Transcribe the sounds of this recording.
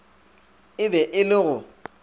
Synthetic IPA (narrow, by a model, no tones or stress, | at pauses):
ɪbɛʔɪlɪɣʊ